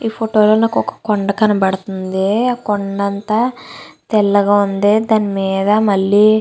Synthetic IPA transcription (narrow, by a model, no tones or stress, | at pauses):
iːpʰoʈo̞ːloːnaːkɔkɐ̥kɔɳɖɐkɐnɐbɐɽɐt̪und̪ekɔɳɖɐnt̪aːt̪ɛlːɐɡaːund̪eːd̪aːnimiːd̪ɐmɐɭːiː